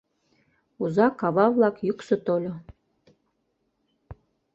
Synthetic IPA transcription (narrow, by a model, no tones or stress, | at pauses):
uzɑkɑβɑβlˠɑkjuksɤ̆t̪olʲo